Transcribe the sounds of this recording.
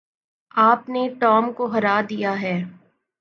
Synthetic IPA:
aːpneʈɔːmkoɦɐɾaːd̪ijaɦɛː

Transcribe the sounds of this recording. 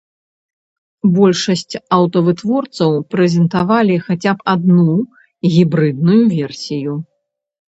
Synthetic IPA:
bɔlʲʂɐsʲt͡sʲɐwt̪ɐvɨt̪vɔrt̪sɐwpɾɛzʲɛnt̪avalʲixat͡sʲapad̪̚nu | ɣʲibɾɨd̪̚nujuvʲɛrsʲiju

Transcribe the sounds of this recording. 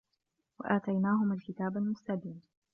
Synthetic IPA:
wa̰ʔaːt̪ajnaːɦʊmalkɪt̪aːbalmʊst̪abiːn

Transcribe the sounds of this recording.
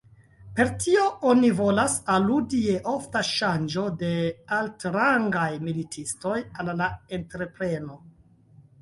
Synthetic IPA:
pe̞ɾtʰio̞ʔonivolasaludieʔo̞ftaʃand͡ʒo̞de̞altɾaŋɡajmilitʰisto̞jalːae̞ntɾe̞pɾe̞no̞

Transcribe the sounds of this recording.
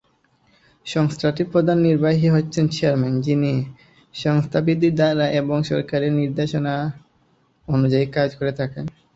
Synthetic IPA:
ʃɔŋst̪ʰaʈiɾpɾod̪ʱanːiɾbaɦiɦotːɕʰent͡ɕeaɾmand͡ʑini | ʃɔŋst̪ʰabid̪ʱiɾd̪aɾaʔeboŋʃɔ̰ɾkaɾeɾniɾd̪eʃona | onud͡ʑaikad͡ʑkoɾet̪ʰaken

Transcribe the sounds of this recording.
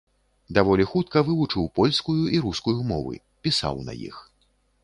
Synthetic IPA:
d̪avɔlʲixut̪kɐvɨvut͡ʂɨwpɔlʲskujuʔiɾuskujumɔ̰vɨ̰ | pʲisa̰wnɐ̰jḭx

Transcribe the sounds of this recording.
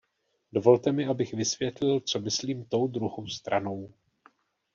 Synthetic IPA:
do̞vo̞lt̪ɛmɪʔabɪxvɪsvjɛt̪lɪlt͡so̞mɪsliːmt̪o̞wd̪ɾuɦowst̪ɾʔano̞w

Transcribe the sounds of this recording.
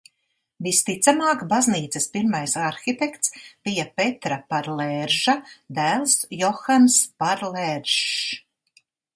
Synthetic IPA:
vist̪it̪samaːkbazniːt̪sɨspiɾmajsaɾxit̪ɛkt̪sb̥ijapet̪ɾapaɾlɛɾʒad̪æːlˠsjɔxanspaɾlɛɾʒ

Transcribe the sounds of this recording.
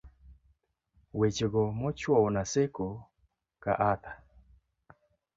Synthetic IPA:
wet͡ʃeɡɔmɔt͡ʃwɔwnaseko | ka̰ʔat̪a

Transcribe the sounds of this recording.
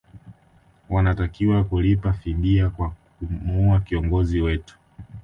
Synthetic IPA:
wanatakiwakulipafiɓiakwakumuakiɔŋɡɔziwɛtu̥

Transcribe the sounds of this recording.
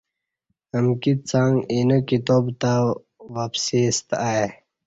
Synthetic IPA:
əmkit̪̚t͡saŋinokit̪oːbt̪a | wapsist̪ae

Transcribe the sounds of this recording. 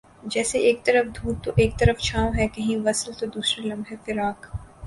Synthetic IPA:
d͡ʒɛːseʔeːk̚t̪ɐɾəfd̪ʱuːt̪t̪ːoʔeːk̚t̪ɐɾəft͡ʃʰaːõɦɛkɐɦĩʋɐsəlt̪od̪uːsɾelɐ̃mbɦɛfɪɾaːk

